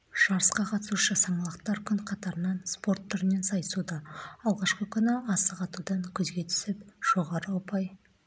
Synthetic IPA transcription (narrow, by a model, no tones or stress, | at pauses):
ʒ̥ɑɾəsqɑqʰɑt̪əsuʃəsɑmɑlˠəqt̪ɑɾkʲʰʏŋqʰɑt̪ɑɾənɑnspo̞ɾt̪ʰːʏɾɪne̞nsɑjəsud̪ɑɑlˠʁɑʃqəkʲʰʏnɪɑsəqɑt̪ud̪ɑŋkʲʰʏzɡʲe̞t̪ʰʏ̥sɪpʒ̥o̞ʁɑɾəwopɑj